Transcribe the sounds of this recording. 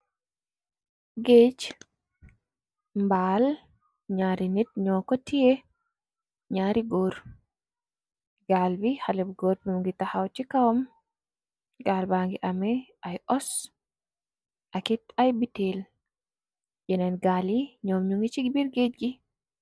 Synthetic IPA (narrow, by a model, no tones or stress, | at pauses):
ɡeːt͡ʃ | mbaːl | ɲaːɾinit̚ɲɔːkɔtijɛ | ɲaːɾiɡɔːɾ | ɡ̥aːlbihalɛbɡɔːɾbimŋɡitahawt͡ʃːikawam | ɡaːlbaːŋɡiʔamɛʔajʔɔs | ʔakitajbitɛl | jɛnanɡaːliɲɔmɲuŋit͡ʃiɡbiɾɡeːd͡ʒɡi